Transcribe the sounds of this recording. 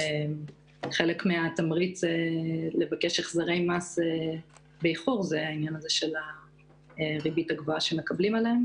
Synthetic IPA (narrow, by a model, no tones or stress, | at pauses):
em | χe̞lekmeat̪amʁit͡sele̞vakeʃeχzaʁe̞jmase | bejχoʁzeainjanazeʃe̞la | ʁibitaɡvoaʃeme̞kablimaleem